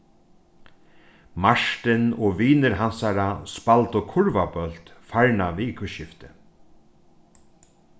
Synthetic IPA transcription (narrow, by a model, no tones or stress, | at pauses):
maʂʈ̪ɪnɔʋiːnɪɾɦansaɾaspalt̪ɔkʰʊɹvapœlt̪faɹɳaviːɪkʋɪʃɪft̪ɪ